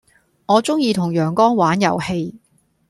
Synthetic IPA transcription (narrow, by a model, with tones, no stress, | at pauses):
ŋɔː˨˧t͡sʊ˥ŋjiː˧t̪ʰʊ˨˩ŋjœː˨˩ŋkɔː˥ŋwaː˨˥njɐ̰˨˩whe˧j